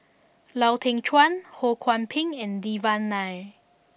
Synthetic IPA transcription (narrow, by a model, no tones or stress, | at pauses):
lawtʰɛ̃ŋt͡ʃʰwãnhokʰwãnpʰĩŋɛ̃ndivãnːaj